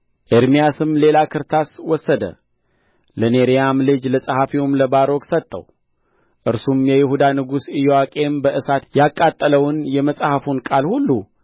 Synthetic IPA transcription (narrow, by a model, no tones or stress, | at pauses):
ʔeɾmijasɨmle̞lakʰɨɾt̪ʰaswɔsːəd̪ə̰ | ləneɾijamlɨd͡ʒləsʼahafiwumləbaɾo̞ksət̪ʼːə̰w | ʔɨɾsumjɛjɪhud̪anɨɡusɨjowakʼe̞mbəʔɨsat̪jakʼːat̪ʼːələwɨnjɛməsʼhafunkʼalhulːu